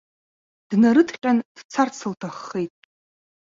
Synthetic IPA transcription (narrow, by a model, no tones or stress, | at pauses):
d̥naɾɨtʰqʲʼand̥t͡sʰart͡sʰɨltʰaχːejtʼ